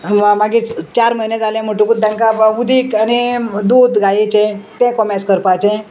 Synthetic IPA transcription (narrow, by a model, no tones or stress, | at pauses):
maɡit͡st͡ɕaɾməjned͡zalɛ̃m̤oʈũkut̪̚d̪jãŋkaud̪ʱiːkanid̪uːd̪ɡajit͡ɕẽt̪ɛ̃kɔmɛskəɾpat͡ɕɛ̃